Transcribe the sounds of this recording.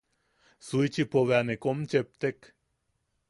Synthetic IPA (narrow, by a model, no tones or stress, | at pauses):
suit͡ʃipoβeanekomt͡ʃep̚t̪ek